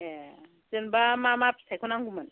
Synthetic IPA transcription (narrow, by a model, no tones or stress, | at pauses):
ɛ | zenbamamapsʰajkʰɔnaŋɡuman